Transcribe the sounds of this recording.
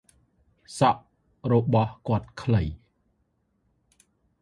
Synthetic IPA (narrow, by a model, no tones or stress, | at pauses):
sɑʔ | rɔɓɑhkŏət̪̚kʰləj